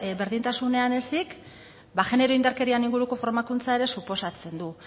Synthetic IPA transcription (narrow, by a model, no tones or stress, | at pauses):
βe̞ɾðint̪asune̞ane̞sik | baʝe̞ne̞ɾo̞ind̪aɾke̞ɾianiŋɡuɾuko̞fo̞ɾmakunt͡sae̞ɾe̞supo̞sat͡se̞nd̪u